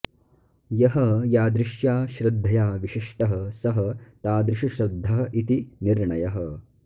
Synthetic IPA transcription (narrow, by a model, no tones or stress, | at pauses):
jɐɦɐjaːd̪ɾɪʃjaːʃɾɪd̪ʱːɐjaːʋiʃiʂʈɐɦɐsɐɦɐt̪aːd̪ɾiʂiʃɾɐd̪ʱːɐɦɐ̆ʔit̪iniɾɳɐjɐɦɐ